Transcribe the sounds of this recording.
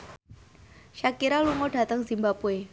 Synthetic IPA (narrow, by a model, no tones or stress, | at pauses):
ʃakiɾaluŋɔɖ̥a̤t̪əŋzimbapue